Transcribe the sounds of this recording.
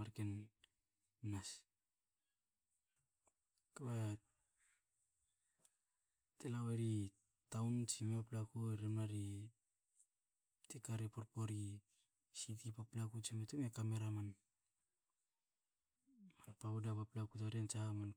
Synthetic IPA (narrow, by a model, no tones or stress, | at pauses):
aɾken | nas | kaβa | telaweɾi | tawnt͡ʃimepaplakuɾemnaɾi | tekaɾepoɾpo̞ɾi | sitipaplakut͡ʃimetumekame̞ɾaman | manpaudapaplakutaɾent͡ʃaman